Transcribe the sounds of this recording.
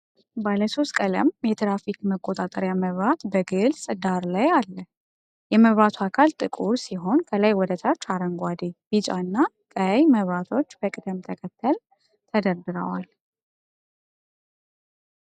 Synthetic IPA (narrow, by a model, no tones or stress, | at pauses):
baləso̞st̪kʼələ̰mjɛt̪ʰɾafikməkʼot̪ʼat̪ʼəɾjaməβɾat̪bəɡɨlsʼd̪aɾlajalːə | jɛməβɾat̪ʰuakʰalt̪ʼɨkʼuɾsiɦo̞nkʰəlajwɔd̪ət̪ʰat͡ʃːaɾəŋɡʷad̪eb̥it͡ʃʼa̰ɨnːa | kʼəjməβɾat̪ʰo̞t͡ʃːbəkʼɨd̪əmt̪ʰəkʰət̪ʰːəl | t̪ʰəd̪əɾd̪ɨɾə̰wal